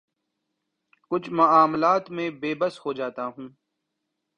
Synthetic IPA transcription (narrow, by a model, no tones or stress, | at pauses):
kʊt͡ʃʰmɐaːmlaːt̪mẽːbeːbəshoːd͡ʒaːt̪aɦũː